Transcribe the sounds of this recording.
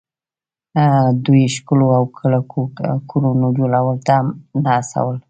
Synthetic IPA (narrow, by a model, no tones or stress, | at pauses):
d̪ujʃkəloawkʰəlaokʰuɾonod͡ʒolawəlt̪amnaːsa̰wəl